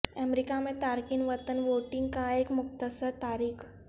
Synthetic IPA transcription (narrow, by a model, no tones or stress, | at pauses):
ɛmɾikamẽt̪aɾkinʋət̪ənʋoʈiŋɡkãekmʊkt̪əsəɾt̪aɾiːkʰ